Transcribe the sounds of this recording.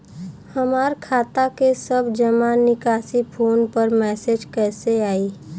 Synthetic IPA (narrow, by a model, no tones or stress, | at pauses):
hɐmaːɾkʰaːt̪akesəbd͡ʒɐmaːnɪkaːsipʰoːnpəɾmɛːsed͡ʒkɛːseaːiː